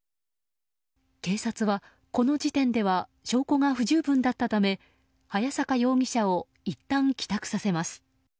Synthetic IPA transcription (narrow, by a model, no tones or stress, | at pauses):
ke̞ːsat͡sɨβa | ko̞no̞d͡ʑit̪ẽ̞nd̪e̞βa | ɕo̞ːko̞ŋaɸɯ̟ʑɨːbɯ̟̃nd̪at̪ːat̪ame̞ | hajasakajo̞ːɡʲiɕao̞ | it̪ːãŋkʲi̥t̪akɯ̟̥sase̞masɨ̥